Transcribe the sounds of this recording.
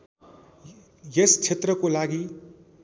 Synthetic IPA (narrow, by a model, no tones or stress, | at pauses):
jeskʰet̪rʌkolaɡi